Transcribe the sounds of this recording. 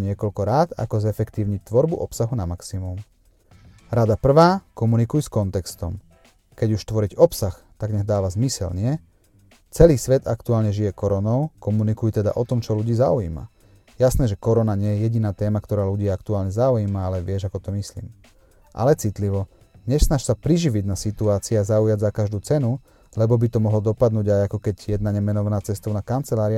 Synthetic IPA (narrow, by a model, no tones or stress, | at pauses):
ɲɪɛkɔlkɔɾaːt̪a̰kɔzɛfɛkt̪iːʊɲic̚t̪ʋɔɾbuʔɔpsaɦunamaksimum | ɾad̪apr̩ʋaːkɔmunikujskɔnt̪ɛkst̪ɔ̰m | kɛɟuʃt̪ʋɔɾiɟɔpsax | t̪aɡɲaɣd̪aːʋazmisɛ̰lɲɪɛ | t͡sɛliːsʋɛd̪a̰kt̪uaːlɲɛʒijɛkɔɾɔnɔʊkɔmunikujt̪ɛd̪a̰ʔɔt̪ɔmt͡ʃɔluɟiːzaujḭːma̰ | jasnɛːʒɛkɔɾɔnaɲɪɛjɛjɛɟinaːt̪ɛːmakt̪ɔɾaːluɟiːakt̪uaːlɲɛzaujiːmaalɛʋɪɛʒakɔt̪ɔmislḭːm | ʔa̰lɛt͡sit̪liʋɔ | ɲɛʃsnaʃsapɾiʒiʋiɟnasit̪uaːt͡siɛazaujaɟzakaʒd̪uːt͡sɛnu | lɛbɔbit̪ɔmɔɦlɔd̪ɔpad̪nuːɟajakɔkɛɟjɛd̪naɲɛmɛnɔʋanaːt͡sɛst̪ɔʊnaːkant͡sɛlaːɾi